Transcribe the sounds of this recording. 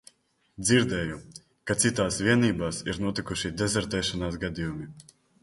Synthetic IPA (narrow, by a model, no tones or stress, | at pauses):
d̪ziɾd̪ɛːju | kat̪sit̪aːsviɛniːbaːsiɾnuɔt̪ikuʃid̪ɛzɛɾt̪ɛːʃanaːsɡad̪ijumi